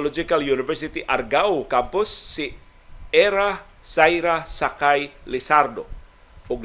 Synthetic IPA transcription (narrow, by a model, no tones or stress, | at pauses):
lɔd͡ʒikaljunifərsit̪iʔarɡawkampʊsːi | ɛɾah | saiɾahsakajlisardo | uk̚